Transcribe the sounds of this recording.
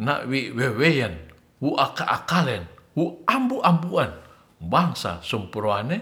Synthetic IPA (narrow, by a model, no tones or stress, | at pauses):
na̰wiwewejan | wuʔakaʔakalɛnwuambuʔambuan | baŋsa̰sumpɾoane